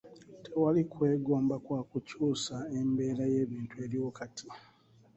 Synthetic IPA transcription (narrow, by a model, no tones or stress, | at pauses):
tʰewalikwe̞ːɡo̞ːmbakwaːkucuːsae̞mbe̞ːɾaje̞ːβiːntue̞ːɾiwokatʰi